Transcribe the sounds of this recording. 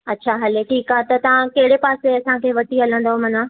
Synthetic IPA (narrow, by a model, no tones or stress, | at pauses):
ɐtːɕʰaɦɐleʈʰiːkaːet̪ɐt̪ɐʋ̤ãkɐɦɪɽepaːseɐsãkʰeːʋɐʈiɦɐlə̃nd̪omɐnãː